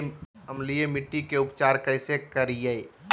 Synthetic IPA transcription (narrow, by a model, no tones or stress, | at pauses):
ɐmlijemɪʈːikeʊpt͡ʃaːɾkɐɪsekɐɾijei